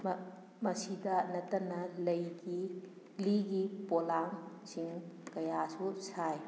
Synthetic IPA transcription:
mɐsidɐnɐtːɐnɐlɐjɡi | liɡipolaŋ | siŋkɐjasusʰaj

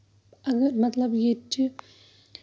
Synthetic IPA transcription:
ɐɡɐɾmɐt̪lɐbjet͡ʃi

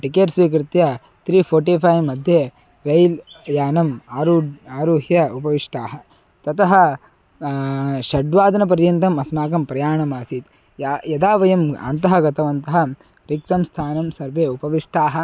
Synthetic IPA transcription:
ʈikeːʈsʋiːk̬ɾɪt̪jɐ | t̪ɾiːpʰoːɾʈipʰɐjmɐd̪ʱje | ɾɐjljaːnɐmaːɾuːaːɾuːɦjɐupɐʋiʂʈʰaːɦɐ | t̪ɐt̪ɐɦɐ | ʃɐɖʋaːd̪ɐnɐpɐɾjɐnt̪ɐmɐsmaːkɐmpɾɐjaːɳɐmaːsit̪ | jjɐd̪aːʋɐjɐma̰nt̪ɐɦɐɡɐt̪ɐʋɐnt̪ɐɦɐ̆ | ɾik̚t̪ɐmst̪ʰaːnɐmsɐɾʋeːupɐʋiʂʈʰaːɦɐ

